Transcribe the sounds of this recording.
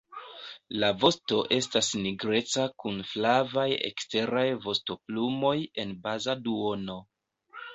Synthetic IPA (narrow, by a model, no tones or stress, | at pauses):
lavo̞sto̞ʔe̞stasniɡɾe̞t͡sakunflavajḛkste̞ɾajvo̞sto̞plumo̞je̞nbazaduo̞no̞